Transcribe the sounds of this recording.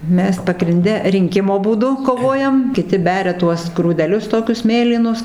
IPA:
ˈmʲɛs pɐɡrʲɪnʲˈdʲɛ rʲɪŋʲˈkʲɪmoː buːˈdʊ koːˈʋoːjɛm kʲɪˈtʲɪ ˈbʲæːrʲɛ ˈtuɔs ɡruːdʲɛˈlʲʊs ˈtoːkʲʊs ˈmʲeːlʲiːnʊs

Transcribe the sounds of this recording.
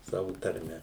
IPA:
ˈsɑːʋʊ tɐrʲˈmʲɛ

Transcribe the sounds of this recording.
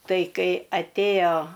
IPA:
ˈtɐɪ ˈkɐɪ ɐtʲˈeːjoː

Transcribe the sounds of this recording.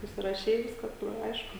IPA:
sʊsʲɪrɐˈʃʲɛɪ ˈʋʲɪskɐs tuɔj ˈɐɪʃkʊ

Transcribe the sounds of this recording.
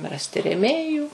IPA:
ˈrɑːsʲtʲɪ rʲɛˈmʲeːjuː

